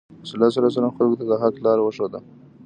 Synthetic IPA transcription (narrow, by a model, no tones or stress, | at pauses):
sɪlas̬aɾas̬aɾanxalɡot̪ad̪əɦaklɑɾwəʃod̪a̰